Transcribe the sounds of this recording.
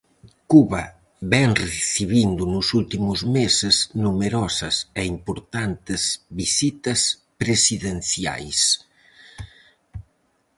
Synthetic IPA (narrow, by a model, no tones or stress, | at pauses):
kuβɐ | βɛŋreθiβind̪unusult̪imuzmeseznumeɾɔsɐsɛimpuɾt̪ant̪ɪzβisit̪ɐs | pɾesiðenθja̰js